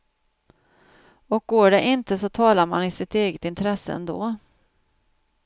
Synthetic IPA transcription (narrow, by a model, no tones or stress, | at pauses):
ɔk̚ɡoːɖɛʔɪnt̪əsɔt̪ʰɑːlaɾmanɪsɪt̪eːɡət̪ɪnt̪ʰɾɛsːəɛ̰nd̪o̰ː